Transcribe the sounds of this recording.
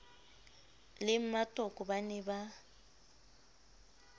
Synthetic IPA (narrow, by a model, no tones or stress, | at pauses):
lɪm̩matʼɔkʼɔbanɛba